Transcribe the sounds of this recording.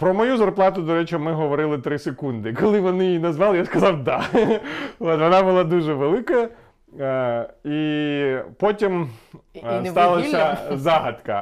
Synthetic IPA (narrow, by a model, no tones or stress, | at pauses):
pɾɔmɔjuzɐrplˠɑt̪ʊd̪ɔɾɛt͡ʃmɪɦɔʋɔɾɪlˠɪt̪ɾɪsekund̪ɪkɔlˠɪʋɔnɪjijnɐzʋɑlˠɪjaskɐzɑwd̪ɑ | ot̪ʋɔnɑbʊlˠɑd̪uʒɛʋelˠɪkɐ | i | pɔtʲim | st̪ɑlˠɐsʲɐzɑɦɐd̪kɐ